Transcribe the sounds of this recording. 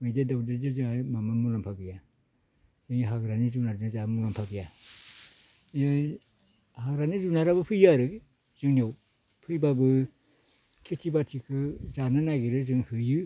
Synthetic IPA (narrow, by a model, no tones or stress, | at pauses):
mɯjdedawdezɯzɯŋajmamamulampʰaɡija | z̥ɯŋiɦaɡɾanizunaɾzɯŋzamulampʰaɡija | ja | haɡɾanizunaɾabɯpʰɯjaɾɯ | zɯŋniaw | pʰɯjbabɯ | kʰitʰibatʰikʰɯzananaɡiɾɯzɯŋhɯjɯ